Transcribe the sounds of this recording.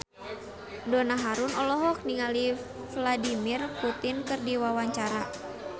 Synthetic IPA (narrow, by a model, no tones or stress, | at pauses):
dɔnaɦaɾunɔlɔɦɔk̚niŋali | fladimirput̪inkɨrdiwawaɲt͡ʃaɾa